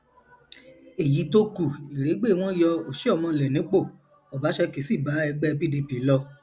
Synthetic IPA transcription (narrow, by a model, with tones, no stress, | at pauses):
e˨ji˨˦to˦ku˦˨i˨ɾe˨˦ɡ͡be˦˨w̃ɔ̃˦jɔ˧o˨ʃe˦ɔ˦˨mɔ̃˧˨lɛ˨nĩ˨˦k͡po˦˨ | ɔ˨ba˨˦ʃɛ˧ke˨si˦˨ba˨˦ɛ˧ɡ͡bɛ˦˧bi˦di˧pi˨˦lɔ˧